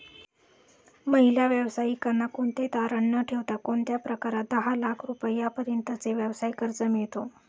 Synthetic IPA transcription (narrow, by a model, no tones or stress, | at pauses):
məɦiljaʋjəʋsaikəɾɳakoɳt̪et̪aɾəɳːəʈʰeʋt̪akoɳt̪japɾəkaɾad̪əɦalakʰɾupəjːapəɾjənt̪ət͡seʋjəʋsaikəɾt͡səmeɭt̪o